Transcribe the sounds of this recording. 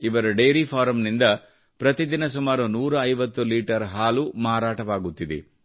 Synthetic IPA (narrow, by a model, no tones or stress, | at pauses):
iʋɐɾɐɖeːɾipʰaːɾɐmnind̪ɐ | pɾɐt̪id̪inɐsumaːɾunuːɾɐɐjʋɐt̪ːuliːʈɐɾɦaːlumaːɾaːʈɐʋaːɡut̪ːid̪ḛ